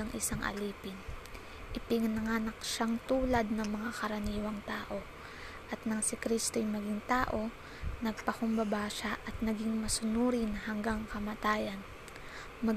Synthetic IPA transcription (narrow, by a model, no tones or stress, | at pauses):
ɐŋʔɪ̰saŋʔɐ̰liːpɪn | ʔɪpɪŋnɐŋaːnɐk̚ʃaŋt̪uːlɐd̪̚nɐŋmɐŋakɐɾɐniːwɐŋt̪aːʔo̞ | ʔɐt̪nɐŋsɪkɾist̪ojmɐɡɪŋt̪aːʔo̞ | nɐɡ̚pɐkʊmbɐbaːʃaʔɐt̪̚nɐɡiŋmɐsʊnuːɾɪnhɐŋɡaŋkɐmɐt̪aːjɐn | mɐ